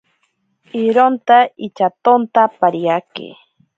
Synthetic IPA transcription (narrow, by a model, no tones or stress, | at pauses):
iɾont̪ait͡ʃat̪ont̪apaɾiakḛ